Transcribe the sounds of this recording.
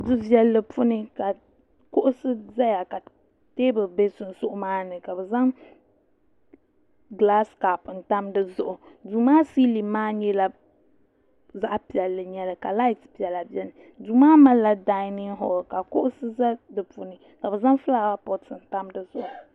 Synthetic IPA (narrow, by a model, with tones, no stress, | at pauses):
dɨ˦vi˨˦ɛ˨lːɨ˨pʊ˦nɨ˦ka˨ | kʊ˦ʔʊ˦sɨ˦za˦ja˨ka˨ | teː˦bɨ˨be˦sʊ˨n̩˨sʊ˦ʔʊ˦maː˦nɨ˨ka˨bɛ˨za˦ŋ | ɡla˦ska˨pɨ˨n̩˨ta˦mdɨ˦zʊ˨ʔʊ˨du˨maː˦si˦li˨maː˦ɲɛ˦la˨ | za˦ʔpi˨ɛ˨lːɨ˨ɲɛ˨˦lɨ˨ka˨la˦i˦tpi˨ɛ˨lːa˨bi˦ɛ˦nɨ˨ | duː˨maː˦ma˦la˨da˨˦nɪ˦ŋɦʊ˨ɡka˨kʊ˦ʔʊ˦sɨ˦za˦dɨ˨pʊ˨nɨ˨ | ka˨bɛ˨za˦ŋfɨ˦la˦ba˦pɔ˨tɨ˨n̩˦ta˦mdɨ˦zʊ˦ʔʊ˨